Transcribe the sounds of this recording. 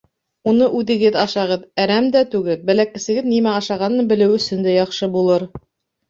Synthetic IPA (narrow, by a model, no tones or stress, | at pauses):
unɤʔʉðɘ̆ɡɘðɑʃɑʁɤðæɾæmd̪æt̪ʉɡɘlbælækɘ̆sɘ̆ɡɘðnimæɑʃɑʁɑnːɤbɘ̆lɘwɵ̆sɵnd̪æjɑχʃɤbulˠɤɾ